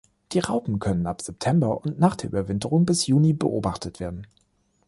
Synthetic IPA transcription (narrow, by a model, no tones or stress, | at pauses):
d̥iːʁaʊpm̩kʰœnənapz̥ɛp̚tʰɛmbɐʔʊntnaːχd̥eːɐʔy̰bɐvɪntəʁʊŋbɪsjuːnibə̰ʔo̰ːbaχtʰətv̥eːɐdn̩